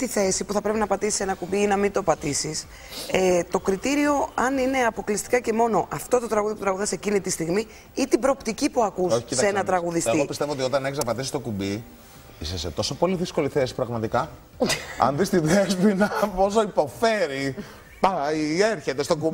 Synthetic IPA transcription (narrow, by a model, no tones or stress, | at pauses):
t̪iθe̞sipuθɐpɾe̞pinɐpɐt̪isi̥se̞nɐkubiinɐmint̪o̞pɐt̪isis | et̪o̞kɾit̪iɾio̞ɐnine̞ɐpo̞klist̪i̥kɐce̞mo̞no̞ʔɐft̪o̞t̪ot̪ɾɐɣuðijoput̪ɾɐɣuðɐse̞cinit̪ist̪iɣmi | it̪ibɾo̞ːpt̪icipuɐkusoçiisenɐt̪ɾɐɣuðisɣiopist̪e̞voot̪io̞t̪ɐneçiznɐpɐt̪isist̪o̞kubi | ḭseset̪o̞sopo̞liðisko̞liθe̞si̥pɾɐɣmɐt̪ikɐ | ɐ̰nðist̪iðezpinɐpo̞s̬oipo̞fe̞ɾi | pɐieɾçet̪e̞st̪okub